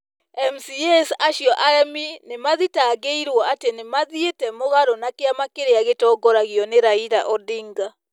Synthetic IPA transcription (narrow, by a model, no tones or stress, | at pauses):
ɛmsijɛsaʃjɔʔaɛminemaðitaːɡeiɾwɔatenemaðietɛmoɣaɾɔnakeamakeɾeaɣetɔɡɔɾaɣiɔneɾaiɾaʔɔdiŋɡa